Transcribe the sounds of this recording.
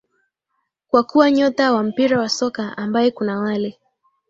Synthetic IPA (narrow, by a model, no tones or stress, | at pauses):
kwakuwaɲɔtawam̩piɾawasɔkaambajɛkunawalɛ